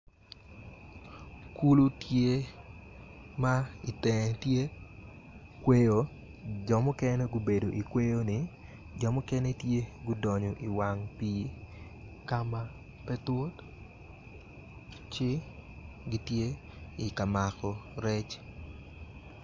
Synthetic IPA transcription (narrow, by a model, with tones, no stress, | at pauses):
ku˦lu˦tje˦ | ma˦i˨tɛ˨tje˦ | kwe˦jo | d͡ʒɔ˨mʊ˦kɛ˦ne˦ɡʊ˦be˨do˨ʔi˨kwe˦jo˦nɪ˨ | d͡ʒɔ˨mʊ˦kɛ˦ne˦tje˦ɡʊ˦dɔ˨ɲɔ˨ʔi˨wa˨ŋpi˦ | ka˦ma˦ | pɛ˦tʊ˦t | t͡ʃɪ˦ | ɡɪ˦tje˦ | i˨ka˨ma˨kɔ˨ɾɛ˦t͡ʃ